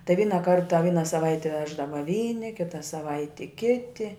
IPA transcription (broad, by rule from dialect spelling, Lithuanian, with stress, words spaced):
tɐɪ ˈʋʲiːnɐ ˈkɐrtɐ ˈʋʲiːnɐ sɐˈʋɐɪtʲɛ ˈʋʲæːʒdɐʋɐ ˈʋʲiːnʲɪ ˈkʲɪtɐ sɐˈʋɐɪtʲɪ ˈkʲɪtʲɪ